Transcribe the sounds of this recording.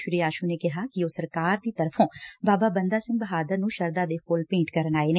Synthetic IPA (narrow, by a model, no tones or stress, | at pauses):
ʃʊɾiːaːʃuːneːkɪɦaːkɪoːsəɾkaːɾd̪iːt̪əɾpʰõːbaːbaːbənd̪aːsɪ̃ŋɡbəɦaːd̪əɾnũːʃəɾd̪aːd̪eːpʰʊlpẽːɳʈkəɾənaːeːneː